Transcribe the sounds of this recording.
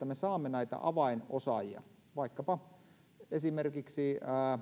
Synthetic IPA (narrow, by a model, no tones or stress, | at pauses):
æmesɑːmːenæit̪ɑ̰ʔɑʋɑinosɑjiɑ̰ | ʋɑikːɑpɑ | esimerkiksiæː